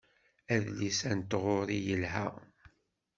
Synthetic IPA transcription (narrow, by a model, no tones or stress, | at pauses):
æðlisænt̪ːʁoɾijəlɦæ